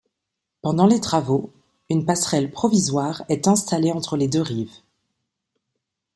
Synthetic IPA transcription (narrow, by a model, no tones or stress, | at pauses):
pɑ̃d̪ɑ̃let̪χavo | ynpasχɛlpχɔvizwaʁɛt̪ɛ̃st̪aleɑ̃t̪χəled̪øʁiv